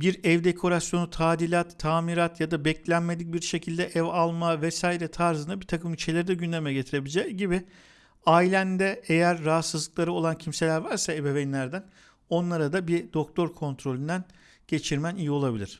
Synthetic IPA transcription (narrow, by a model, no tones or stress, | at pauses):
biɾɛvd̪e̞kʰo̞ɾasjo̞nut̪ʰaːd̪ilʲat̪ʰːaːmiɾat̪jad̪abɛclʲænme̞d̪ic̚biɾʃe̞cʰilʲd̪ɛʔɛvalˠmavɛsaːiɾɛt̪ʰaɾzɯnd̪abit̪ʰakʰɯmit͡ʃʰelʲeɾid̪ɛɟynd̪ʲemɛɟe̞t̪ʰiɾe̞bilʲd͡ʒɛɟibɪ | ailʲænd̪ɛejæɾːaɦat̪sɯzlˠɯklˠaɾɯo̞lˠancʰimselʲæɾvaɾsaebe̞vɛnlʲæɾd̪æn | o̞nlˠaɾad̪abid̪o̞k̚t̪ʰo̞ɾkʰo̞nt̪ɾo̞lʲynd̪æn | ɟ̥e̞t͡ʃʰiɾmænijio̞lˠabilʲiɾ̥